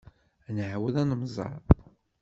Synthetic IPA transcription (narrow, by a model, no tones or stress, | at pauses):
nəʕwəðænəmzˤɑ̰ɾˤ